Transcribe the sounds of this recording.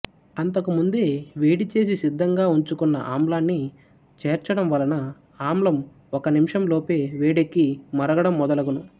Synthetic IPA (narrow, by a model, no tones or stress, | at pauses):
ɐnt̪ɐkumund̪e̞ːʋeːɽit͡ʃe̞ːs̬isid̪ʱːɐŋɡaːuɲt͡ʃukunːɐ̰ʔaːmlaːnːi | t͡ʃeːɾt͡ʃɐɽɐmʋɐlɐnɐ | aːmlɐm | ɔkɐnimʂɐmlo̞ːpeːʋeːɽekːimɐɾɐɡɐɽɐmːɔd̪ɐlɐɡunu